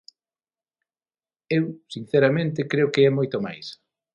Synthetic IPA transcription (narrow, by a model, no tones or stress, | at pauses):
ewsin̟θɛɾamẽnt̪ɪkɾeokeɛmojt̪omajs